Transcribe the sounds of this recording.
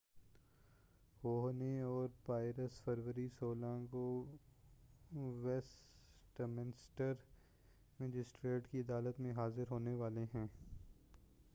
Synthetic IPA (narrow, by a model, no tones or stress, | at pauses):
hoːɦneɔːɾpaːɪɾəsfəɾʋəɾisoːlãːŋɡo | ʋɛs | ʈmɪnɪsʈəɾ | mɛd͡ʒɪsʈɾeːʈkiɐd̪aːlət̪mẽɦaːzɪɾɦoːneʋaːleɦɛ̃ː